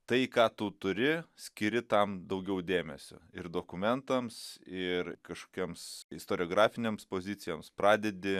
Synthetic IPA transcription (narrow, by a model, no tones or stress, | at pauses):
t̪ɐɪkɑːt̪ut̪ʊɾʲɪsʲkʲɪɾʲɪt̪ɐmd̪ɐʊɡʲɛʊd̪ʲeːmʲɛsʲo̰ɪrd̪oːkʊmʲɛnt̪ɐmsɪrkɐʃko̥ːkʲiːmsɪst̪oːɾʲɪoːɡɾɑːfʲɪnʲeːmspoːzʲɪt̪sʲɪjomspɾɑːd̪ʲɛd̪ʲɪ